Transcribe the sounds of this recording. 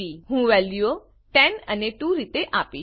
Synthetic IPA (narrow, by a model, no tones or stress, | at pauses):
iɦũʋɛljo | ʈɛnəneʈuɾit̪eʔapi